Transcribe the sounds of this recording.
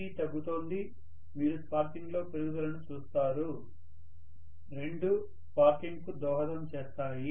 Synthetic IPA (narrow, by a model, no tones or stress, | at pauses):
it̪ɐɡːut̪o̞ːnd̪i | miːɾuspaːɾkiŋɡlo̞ːpeɾuɡuɡɐlɐnut͡ʃuːst̪aːɾu | ɾe̞ɳɖu | spaːɾkiŋɡkud̪ɔːɦɐt̪ɐmt͡ʃeːst̪aːji